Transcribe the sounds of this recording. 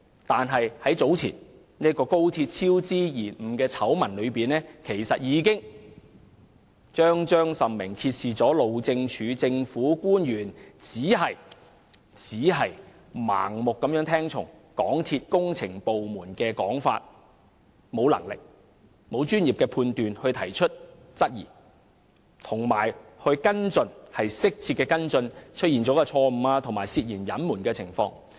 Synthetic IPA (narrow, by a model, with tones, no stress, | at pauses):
t̪aː˨nɦɐ˨jhɐ˨˥jt͡so˨˥wt͡sʰḭː˨˩n | ni˥ɐ˥kɔː˧ko˥wt̪ʰiː˧t̚t͡sʰiː˥wt͡siː˥jiː˨˩nm̩˨˩kɛː˧t͡sʰɐ˨˥wmɐ˨˩nlɵ˨˧ɥpiː˨˩nɛː˥kʰe˨˩jsɐ˨t̚jiː˨˧kɪ˥ŋ | t͡ʃœː˥ŋt͡ʃœː˥ŋsɐ˨˩mmɪ˨˩ŋkʰiː˧t̚siː˨t͡sɔː˨˥lo˨wt͡sɪ˧ŋt͡ʃʰyː˨˧t͡sɪ˧ŋfuː˨˥kuː˥njyː˨˩nt͡siː˨˥ɦɐ˨j | t͡siː˨˥ɦɐ˨j | ma̰ː˨˩ŋmʊ˨kːɐ˨˥mjœː˨˥ŋt̪ʰɛː˥ŋt͡ʃʰʊ̰˨˩ŋkɔː˨˥ŋt̪ʰiː˧t̚kʊ˥ŋt͡sʰɪ˨˩ŋpo˨wmuː˨˩nkɛː˧kɔː˨˥ŋfa̰ː˧t̚ | mo˨˧wlɐ̰˨˩ŋlɪ̰˨k̚ | mo˨˧wt͡ʃyː˥nji˨p̚kɛː˧pʰuː˧nt̪yː˨nhɵ˧ɥt̪ʰɐ˨˩jt͡ʃʰɵ˥t̚ | t͡sɐ˥t̚jḭː˨˩ | t̪ʰʊ˨˩ŋmaː˨˩jhɵ˧ɥkɐ˥nt͡sɵ˧nhɐ˨jsɪ˥k̚t͡sʰiː˧t̚kɛː˧kɐ˥nt͡sɵ˧nt͡ʃʰɵ˥t̚jiː˨˩nt͡sɔː˨˥kɛ˧t͡ʃʰɔː˧m̩˨˩aː˧t̪ʰʊ˨ŋmaː˨˩siː˧t̚jiː˨˩njɐ˨˥nmuː˨˩nkɛː˧t͡sʰɪ˨˩ŋfɔ̰ː˧ŋ